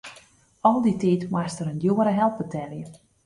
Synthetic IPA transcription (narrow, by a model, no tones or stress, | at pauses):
ɔlˠditiːtmastəɾəndjoːəɾəɦɛlˠp̚bətʰɛljə